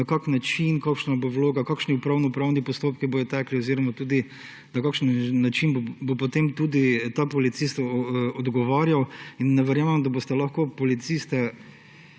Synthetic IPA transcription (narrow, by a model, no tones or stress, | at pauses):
akaknat͡ʃinkaːkʃnabowloːɡakaːkʃniupɾawnɔpɾawnipɔst̪oːp̚kibojɔt̪akliɔziːɾɔmat̪uːd̪i | nɐkaːkʃənːat͡ʃinbbopɔt̪emt̪uːd̪it̪apɔlit̪sist̪ɔd̪ɡɔʋaːɾjawinːɛʋɛɾjaːmɛmd̪abost̪ɛlaxkopɔlit̪sist̪ɛ